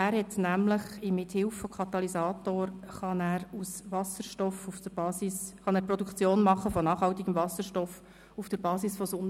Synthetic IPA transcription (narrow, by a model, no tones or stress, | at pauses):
æːɾhɛtnæmləχɪmɪthɪlfokʰɑt̪ɑlisɑːtoːɾχɑnæːɾusvɑsəɾʃtɔfufd̥əb̥ɑːsisχɑnæːɾpɾɔd̪ukt͡sjoːnmɑχːəfɔnɑːχhɑltiɡəmvɑsəɾʃtɔf | ufd̥əɾbɑːsisfɔsʊn